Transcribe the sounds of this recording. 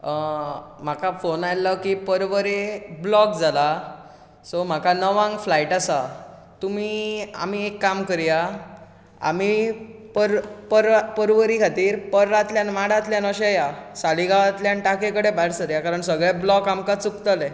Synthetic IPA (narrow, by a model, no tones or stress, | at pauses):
m̤akʰafonajləkipəɾʋəɾeblɔk̚d͡zʱala | sɔm̤akʰanəʋãŋɡflaiʈasa | t̪um̤iːa̰m̤iekːamkəɾija | a̰m̤ipəɾpəɾpəɾʋəɾikʰat̪iːɾpəɾːat̪ljanmaɽ̤at̪ljanəɕejasaliɡʱaʋat̪ljanʈakekəɽebʱaɾsəɾjakaɾəɳsəɡɭeblɔkamkat͡sukt̪ale